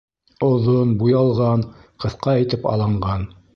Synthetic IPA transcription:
ŏðonbujɑlˠʁɑnqɤ̆θqɑæ̆jt̪ɘpɑ̰lˠɑɴɢɑn

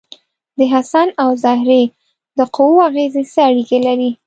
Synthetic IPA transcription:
d̪əɦasanawzɑɦɪɾe | d̪əqowoaɣezesəaɽikelaɾi

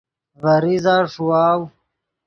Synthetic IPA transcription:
vɐɾizaːʂuwaːw

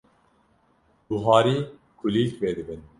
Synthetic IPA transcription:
buɦɑːɾiː | kʰuliːlkveːd̪ɨbɨn

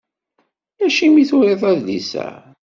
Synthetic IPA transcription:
læʃimiθʊɾˤeθˤæðlḭsæ̰

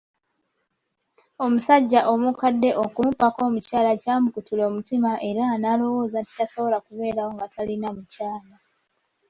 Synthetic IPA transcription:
o̞musaɟːaʔo̞mukadːe̞ʔokumupako̞ːmucaːlacaːmukutulo̞ːmutimaʔe̞ɾanaːlo̞wo̞ːzati̥taso̞βo̞lakuβe̞ːɾawoŋɡatʰalinamucaːla

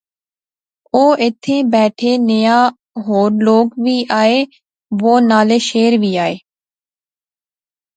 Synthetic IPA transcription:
oːɪt̪ʰeːbɛːʈʰeːnəjaː | ɦoːɾloːkʋʱiːʔaːeː | ʋoːnaːleːʃeːɾʋʱiːaːeː

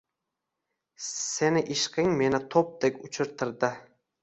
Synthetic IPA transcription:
senɪʔɪʃqɪŋmenɪt̪ʰop̚d̪ekʲʊt͡ʃʰɪɾt̪ʰɪɾd̪ɪ

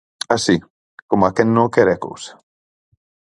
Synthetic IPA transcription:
asi | komakɛnːokɛɾɛko̰ws

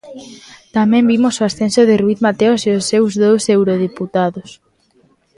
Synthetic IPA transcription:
t̪amɛ̃mbimosoasθẽnsoðeɪrwiθmat̪eoseosːewzðowsewɾoð̞iput̪aðos

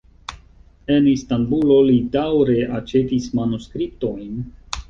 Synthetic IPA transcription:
e̞nistambulo̞lidawɾe̞ʔat͡ʃe̞tismanuskɾip̚to̞jn

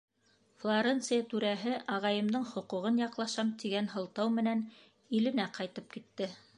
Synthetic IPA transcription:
flˠoɾent̪sɨjat̪ʉɾæɦɘʔɑʁɑjɤ̆md̪ɤɴχŏquʁɤnjɑqlˠɑʃɑmt̪iɡænɦɤ̆lˠt̪ɑwmɘ̆næn | ilɘ̆næqɑjt̪ɤp̚kit̪ːɘ

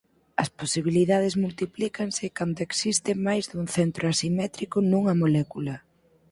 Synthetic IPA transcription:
ɐsposiβ̞iliðað̞ɪzmult̪iplikɐnsɪkand̪oeksist̪ɪmajzðuŋθɛnt̪ɾʔoasimɛt̪ɾikʊnuŋɐmolɛkulɐ

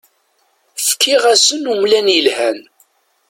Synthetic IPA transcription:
fkʰːiʁæsənumlænjəlhæn

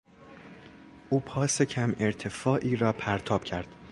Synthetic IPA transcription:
ʔuːpʰɒːsecʰæme̞ɾt̪ʰe̞fɒːʔiːɾɒːpʰæɾt̪ʰɒːb̥cʰæɾd̪̥

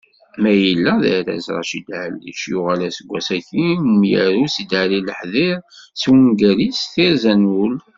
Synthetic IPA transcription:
mæjəlːæðæɾæ̰zɾˤɑ̰ʃid̪ʕ̰lːḭʃjʊʁælæsəɡʷæsæçimjæɾusid̪ʕaɾiləħðiɾswinɡæɾisθiɾzænul

